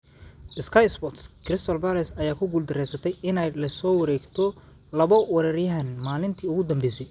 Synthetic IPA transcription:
ʔɪskʰɐjt̪sbɔt̪skʰrɪst̪ʰɔlbɐlɛsɐjaːkʰʊɡʊld̪ɪɾɛjsɐt̪ʰɛjɪnɛjlɐsɔːwɐɾɛːɡt̪ʰɔ | lɐβɔwɐɾɐrjɐɦɐnmaːlɪnt̪ʰiːʊɣʊd̪ɐmbɛjsɛj

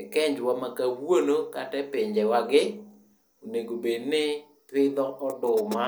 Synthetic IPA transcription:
ɛkɛɲd͡ʒwamakawonokatɛpɪɲd͡ʒɛwaɡɪ | oneɡobednɪ | tɪd̪ɔʔɔdʊma

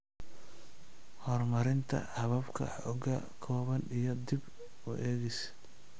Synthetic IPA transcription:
hɔrmɐɾɪnt̪ʰɐ̰hɐβɐbkʰɐ̰ħɔɡɐ | kʰɔːβɐnijɞd̪ɪb | ʊʔɛːɣɛjs

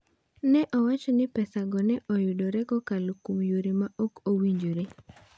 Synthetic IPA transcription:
nɛʔɔwat͡ʃɔnɪpɛsaɡɔnɛʔɔjʊdɔɾɛɡɔkalokumjoɾemaʔokowiɲd͡ʒoɾe

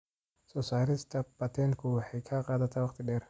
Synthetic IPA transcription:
sɔsaːlɪst̪ʰɐbɐt̪ʰɛŋkʰʊwɑħɛjkʰɐqɑːðɐt̪ʰaːwɑqt̪ʰɪɗɛːr

